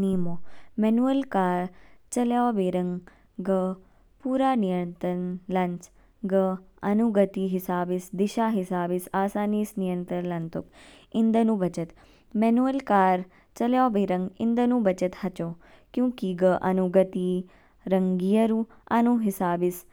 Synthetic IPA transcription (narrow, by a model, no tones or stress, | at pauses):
nijmomenuəlkaːɾt͡ʃɐljaːbeːɾɐ̃ŋ | ɡə | puːɾaːnijənt̪ənlɐɲt͡ʃ | ɡəɐnuɡət̪iɦɪsaːbisd̪iʃaːɦɪsaːbisaːsaːnisnijənt̪ɾəɾlɐnt̪uk | ɪnd̪ʱənũbɐt͡ʃət̪ | mɛnuəlkaːɾ | t͡ʃɐljaːbeɾɐ̃ŋɡind̪ənũbɐt͡ʃət̪hɐt͡ʃoː | kjũkiɡəʔɐ̰nuɡət̪i | ɾɐŋɡijɐɾu | ɐnuɦɪsaːbis